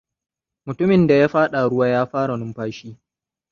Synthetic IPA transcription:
mʊ˨tʊ˦mɪ˨nda˨jaː˦ɸaː˦ɗa˨ɽʊ˦waː˦jaː˦ɸaː˦ɽa˨nʊ˦mɸaː˦ʃiː˦

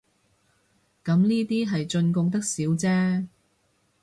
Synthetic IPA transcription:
kɐ˨˥mniː˥t̪iː˥ɦɐ˨jt͡ʃɵ˧nkʊ˧ŋt̪̬ɐ˥k̚siː˨˥wt͡sɛː˥

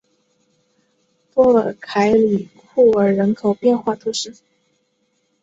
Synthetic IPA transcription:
t̪wɔ˥lə̰˨˩kʰa˧˥ɪli˨˩kʰu˥˩ə˞˧˥ɻə˧˥nkʰo˨˩ʊpjɛ˥˧nxwa˥˩t̪ʰu˥ʂɻ̩˥˩

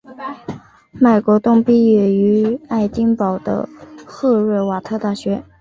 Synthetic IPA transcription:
me˨˩ɪkwɔ˧˥t̪ʊ˥˧ŋpi˥ɛ˨˩y˧˥a˥˩ɪt͡ɕi˥ŋpɑ˨˩ʊd̪ə̰˧xɤ˥˧ɻə˥˩wa˨˩t̪ʰɤ˥˧t̪a˥˩ɕɥɛ˧˥

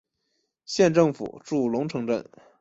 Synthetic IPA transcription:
ɕjɛ˥˧nʈ͡ʂɤ˥˩ŋfṵ˨˩ʈ͡ʂu˥˩lʊ˧˥ŋʈ͡ʂʰɤ˧˥ŋʈ͡ʂə̰˥˩n

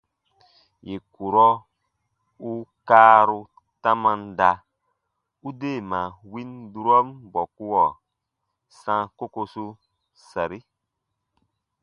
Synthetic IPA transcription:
je˨ku˨ɾɔ˦ | u˦kaː˦ɾu˧ | tã˦mã˧nda˧ | u˦de˦˨mã˨wi˦ndu˦ɾɔ˦mbɔ˨ku˦wɔ˨ | sã˦ko˦ko˧su˦ | sa˨ɾi˦

